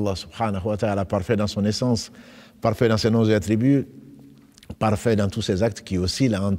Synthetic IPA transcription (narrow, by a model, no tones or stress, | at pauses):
lˠˤːɑsubħanəɦuwat̪aalapaʁfɛd̪ɑ̃sɔ̃nesɑ̃spaʁfɛd̪ɑ̃senɔ̃zəat̪ɾiby | paʁfɛd̪ɑ̃t̪usezak̚t̪kʲiosilaɑ̃